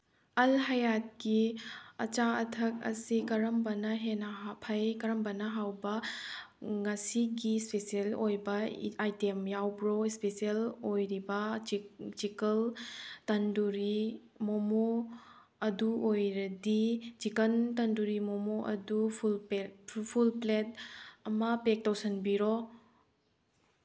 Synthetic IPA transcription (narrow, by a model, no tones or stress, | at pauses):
ɐlɦɐjat̚kiɐ̰t͡ʃaɐtʰɐk̚ɐ̰sikɐɾɐmbɐnɐɦenɐpʰɐjkɐɾɐmbɐnɐɦawbɐ | ŋɐsiɡispesielojbɐajtemjawbɾoispesielojɾibɐ | d͡ʒikɐltɐnduɾi | momo | ɐduʔojɾɐdid͡ʒikɐntɐnduɾimomoʔɐ̰dupʰulpʰulplet̚ɐmɐpek̚tawsɐnbiɾɔ